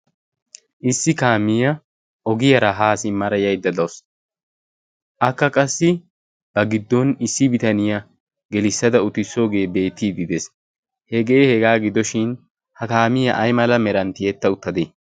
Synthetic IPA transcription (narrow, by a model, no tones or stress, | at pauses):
ʔɪsːɪkaːmɪjɐ | ɔɡɪjɐɾɐɦaːsɪmːɐɾɐjɐjd̪ːɐd̪ɐws | ʔɐkːɐkʼɐsːɪ | b̥ɐɡɪd̪ːɔnɪsːɪbɪt̪ɐnɪjɐ | ɡɛlɪsːɐd̪ɐʊt̪ːɪsːoːɡe̞ːbe̞ːt̪ːiːd̪ɪd̪ɛs | hɛɡeːhɛɡaːɡɪd̪ɔʃɪn | hɐkaːmɪjɐʔɐjmɐlɐmɛɾɐnt̪ɪjɛt̪ːɐʊt̪ːɐd̪e